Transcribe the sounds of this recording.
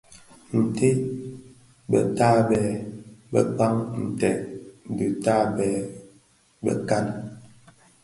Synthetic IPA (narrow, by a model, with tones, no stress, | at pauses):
n̩˨te˦ | bə̰˨taː˦bɛː˨˦bə˦k͡pa˦ŋn̩˨tɛ˨dʉ˨ta˦bɛ˨˦ | bə̰˦ka˦n